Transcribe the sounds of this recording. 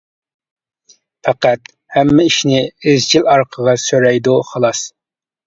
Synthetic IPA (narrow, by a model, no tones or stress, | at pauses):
pʰæqæt̪ | hɛmːɪiʃnɪɪzt͡ʃʰilɑɾqʰəʁɑsøɾɛjd̪uχɑlˠɑs